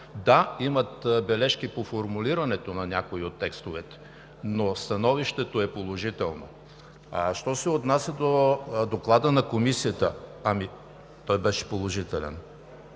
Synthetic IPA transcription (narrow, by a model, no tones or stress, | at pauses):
d̪aimɐt̪bɛlɛʃkipofoɾmuliɾɐnɛt̪onɐnʲakoiot̪ːɛkst̪ovɛt̪ɛ̥ | nost̪ɐnɔviʃt̪ɛt̪oɛpolˠoʒit̪ɛlˠno̰ | aʃt̪ɔsɛot̪nasʲəd̪od̪oklˠad̪ənɐkomisijət̪əɐmi | t̪ɔjbɛʃɛ̥polˠoʒit̪ɛlɛ̰n